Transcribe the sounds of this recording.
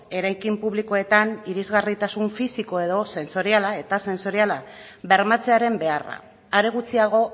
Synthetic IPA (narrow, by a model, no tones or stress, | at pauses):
e̞ɾajkimpuβliko̞e̞t̪aniɾizɣarit̪asuɱfisiko̞e̞ðo̞se̞nso̞ɾialae̞t̪ase̞nso̞ɾiala | βe̞ɾmat͡se̞aɾe̞mbe̞ara̰ | aɾeɣ̞ut͡siaɣ̞o̞